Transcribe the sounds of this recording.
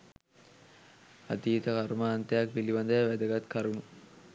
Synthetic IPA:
a̰d̪iːt̪əkaɾuməːnt̪ɐjakʋiliʋand̪əjəʋæd̪əɡat̪kaɾunu

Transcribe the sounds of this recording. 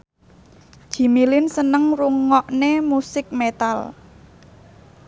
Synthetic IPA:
ʒ̥i̤milɪnsənəŋruŋːɔʔnemusɪk̚met̪al

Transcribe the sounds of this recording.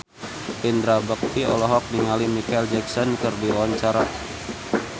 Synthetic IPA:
ind̪ɾabək̚t̪iɔ̰lɔɦɔk̚niŋalimikaild͡ʒɛksɔnkərdiwaɲt͡ʃaɾa

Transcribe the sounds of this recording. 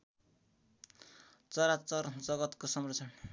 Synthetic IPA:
t͡sʌɾat͡sʌrd͡zʌɡʌt̪kosʌmrʌt͡sʰʌn

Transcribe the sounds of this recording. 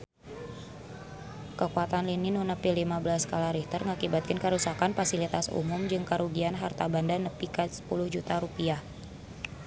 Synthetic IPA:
kəkuat̪anlininunəpilimabəlaskalaɾiht̪ərŋakibat̪̚kɪnkəɾusakanfasilit̪asṵmʊmd͡ʒɨŋkəɾuɡianɦart̪abandanəpikəsə̥pulʊhd͡ʒut̪aɾupiah

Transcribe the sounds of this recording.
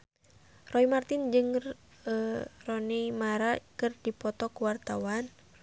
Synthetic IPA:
rɔimart̪ɪnd͡ʒɨŋ | rɔnɛmaɾakɨrdipɔt̪ɔkuwart̪awan

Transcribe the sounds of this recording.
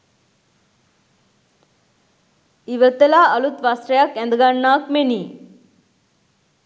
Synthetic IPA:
iʋət̪ːelaːəlut̪ʋasɾɐjakɛ̃nd̪əɡaɳːaːkmeniː

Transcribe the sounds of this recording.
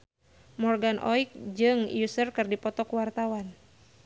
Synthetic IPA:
mɔrɡanʔɔik̚d͡ʒɨŋjusərkɨrdipɔt̪ɔkuwart̪awan

